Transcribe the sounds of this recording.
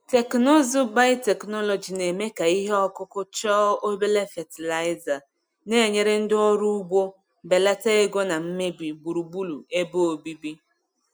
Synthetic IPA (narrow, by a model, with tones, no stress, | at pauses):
te˨knɔ˦zʊ˦ba˦te˨knɔ˦lɔ˨d͡ʒi˨ne˨me˦ka˨i˦ɦe˦ɔ˦kʊ˦kʊ˦t͡ʃɔː˦o˦be˦le˦fe˨ti˨la˨˦ɪ˦za˨ | ne˦˨ɲe˦ɾe˦n̩˦dɪ˦ɔ˦ɾu˦u˦ɡ͡bo˦ | be˨la˦ta˦e˦ɡo˦na˨m̩˦me˦bi˨bu˨ɾu˨bu˦lu˨e˦bo˦o˨bi˦bi˦